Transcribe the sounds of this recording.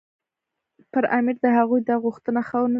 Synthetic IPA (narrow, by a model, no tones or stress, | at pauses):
pəɾamɪɾd̪əɦaɣujd̪ɑɣuxt̪ənaxawnə